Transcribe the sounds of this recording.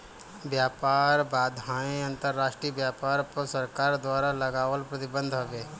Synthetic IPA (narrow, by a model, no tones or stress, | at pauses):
bjaːpaːɾbaːd̪ʱɦãːẽɐ̃nt̪əɾːaːʃʈɾibjaːpaːɾpəɾsɐɾkaːɾd̪waːɾalɐɡaːʋəlpɾɐt̪ɪbə̃nd̪ʱɦoʋeː